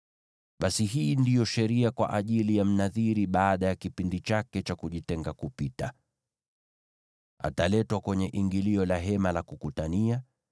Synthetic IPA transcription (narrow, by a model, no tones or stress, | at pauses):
ɓasiɦiːndijɔʃɛɾiakwa̰ʔaʄilijam̩naðiɾiɓaːɗajakipindit͡ʃakɛt͡ʃakuʄitɛŋɡakupita | a̰talɛtwakwɛɲɛʔiŋɡiliɔlaɦɛmalakukutania